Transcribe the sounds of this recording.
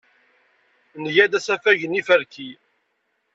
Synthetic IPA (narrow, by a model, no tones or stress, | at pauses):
njæd̪æsæfæʝənifəɾki